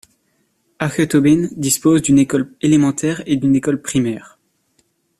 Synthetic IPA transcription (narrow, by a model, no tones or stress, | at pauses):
aʁkøt̪obind̪ispozd̪ynekɔlelemɑ̃t̪ʰɛʁed̪ynekɔlpχimɛːʁ